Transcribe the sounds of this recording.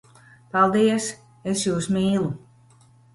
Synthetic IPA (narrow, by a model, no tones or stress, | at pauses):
palˠd̪iɛs | esjuːsmiːlˠu